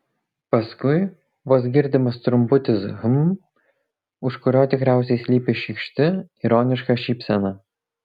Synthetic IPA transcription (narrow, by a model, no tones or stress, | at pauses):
pɐskʊɪ | ʋoːsɡʲɪɾʲd̪ʲɪmɐst̪ɾʊmpʊt̪ʲɪsɣʊm | ʊʃkʊɾʲoːt̪ʲɪkɾʲæˑʊsʲɛɪsʲlʲiːpʲɪʃʲikʃʲt̪ʲɪiɾoːnʲɪʃkɐʃʲiːpʲsʲɛnɐ